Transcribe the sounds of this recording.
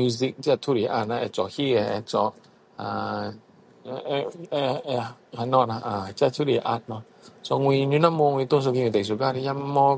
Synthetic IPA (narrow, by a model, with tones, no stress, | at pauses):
u˧zi˧k̚t͡si˦a˧t̪ʰu˦li˨˩ʔa˧˩na˧ʔɛ˧˨t͡sɔ˨hi˦˧ɛ˧˩ɛ̰˧˩t͡sɔ˧˩ | a˧˩˧ | a˧nɔ˧na˧ʔa˨˩t͡si˦˧a˧˩t̪ʰu˦li˨˩ʔa˧t̚nɔ˧ | sɔ˧ŋwi˧ɲy˧˦na˦mo˧ŋwi˧t̪o˥˦ŋs̬o˧ki˧ŋi˧t̪e˨˩˨s̬u˨ka˧˥ɾi˧ja˧˥mɔ˧